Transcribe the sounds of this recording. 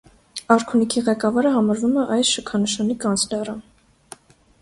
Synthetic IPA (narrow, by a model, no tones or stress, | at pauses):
ɑɾkʰunikʰiʁɛkɑvɑɾəɦɑmɑɾvumɛʔɑjsʃəkʰɑnəʃɑnikɑnt͡sʰlɛrə